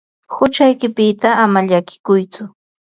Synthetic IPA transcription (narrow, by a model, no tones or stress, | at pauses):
hʊt͡ʃajkɪpɪt̪aːmaʎakɪ̥kʊjt͡sʊ